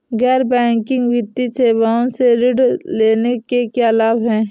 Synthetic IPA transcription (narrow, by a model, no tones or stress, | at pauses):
ɣɛːɾbɛ̃ːŋkɪ̃ŋɡʋɪt̪ːit͡ʃeːbaːõseɾɪɖleːnekekeəlaːbɦɛ̃ː